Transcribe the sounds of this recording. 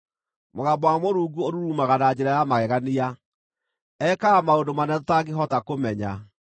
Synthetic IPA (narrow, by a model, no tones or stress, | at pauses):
moɣabɔwamoɾuːɡuoɾuɾumaɣanad͡ʑeɾajamaɣɛɣania | ɛkaamaondomanɛtotaɡeɦɔtakomɛɲa